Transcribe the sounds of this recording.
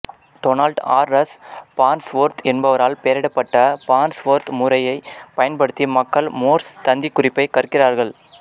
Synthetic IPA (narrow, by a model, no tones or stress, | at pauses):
ʈɔnɐlɖaːɾːɐspaːnsʋoːɾt̪ɛnbɐʋɐɾaːlpeːɾɪɽɐpːɐʈːɐpaːnsʋoːɾt̪mʊɾɐjɐɪpɐjɐnpɐɽɯt̪ːɪjmɐkːɐɭmoːɾst̪ɐnd̪ikːʊrɪpːɐɪkɐrɯkːɪraːɾɣɐɭ